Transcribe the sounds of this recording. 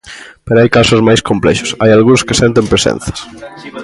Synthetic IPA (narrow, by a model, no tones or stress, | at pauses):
peɾoajkasozmajskomplɛ̰ʃʊ̥sajalɣunskesɛnt̪̬empɾesɛ̰n̟θɐ̥s